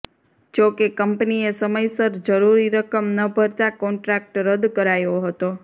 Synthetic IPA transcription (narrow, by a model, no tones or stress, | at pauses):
d͡ʒokekəmpniesəməjsəɾd͡ʒəɾuɾiɾəkəmnəbʱəɾt̪akɔɳʈɾak̚ʈɾəd̪kəɾajoɦət̪o